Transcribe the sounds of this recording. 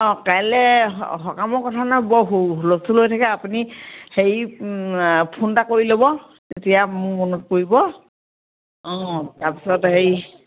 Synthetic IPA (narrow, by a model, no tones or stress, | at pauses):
ɔ̃kajlɛɦɔkamɔɹkɔtʰanajbɔɦuɦulosulojtʰakɛapunihej | pʰuntakoɹilobɔ | tetijamʊmonɔt̚koɹibɔ | ɔ̃taɹpi̥sɔtɦej